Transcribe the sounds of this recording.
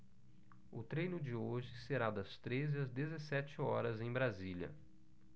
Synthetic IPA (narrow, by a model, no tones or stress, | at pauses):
ʊt̪ɾejnʊd͡ʒɪoʒɪseɾad̪ɐst̪ɾezɪɐzd̪ezesɛt͡ʃɪɔɾɐzẽj̃bɾaziʎjɐ̰